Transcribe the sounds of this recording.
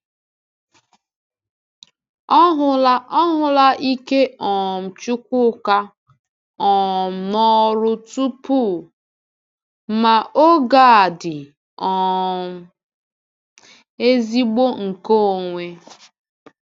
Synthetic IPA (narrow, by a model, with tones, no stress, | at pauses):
ɔ˦ɦʊ˨la˦ɔ˦ɦʊ˨la˦ʔi˦ke˦ɔ˨m̩˨t͡ʃʊ˦k̚ʷʊ˦ka˦ | ɔ˨nɔ˦ɾʊ˦tu˦pu˦˨ | ma˨ʔo˦ɡa˦˨a˨dɪ˨ | ɔ˨ | e˦zi˦ɡ͡bo˦ŋ̩˨ko˦o˨ŋʷe˦